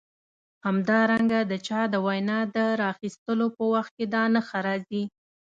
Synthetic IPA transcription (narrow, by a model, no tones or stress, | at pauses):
hamd̪ɑɾaŋɡad̪ət͡ʃɑd̪əwajnɑd̪əɾɑxist̪əlopəwaxt̪̚ked̪ɑnaxaɾɑzi